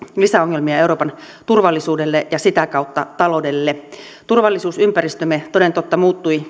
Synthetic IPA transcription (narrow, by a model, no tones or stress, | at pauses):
lisæoŋːelmiɑeuɾoːpɑn | t̪urʋɑlːisuːdelːeʔjɑsit̪ækɑˑwt̪ːɑt̪ɑlodelːe | t̪urʋɑlːisuːsympærist̪ømet̪ode̞nt̪ot̪ːɑmuːt̪ːui